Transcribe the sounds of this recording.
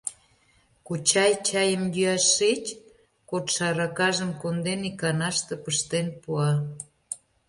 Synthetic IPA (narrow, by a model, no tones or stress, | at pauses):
kut͡ɕɑjt͡ɕɑjəmjyɑʃːet͡ɕ | kot̪ʃɑɾɑkɑʒəmkond̪enikɑnɑʃt̪ĕpəʃt̪enpuɑ